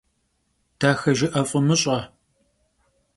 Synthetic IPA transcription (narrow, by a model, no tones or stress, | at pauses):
d̥aːxɐʒɪʔɐfʼʊmɨɕʼɐ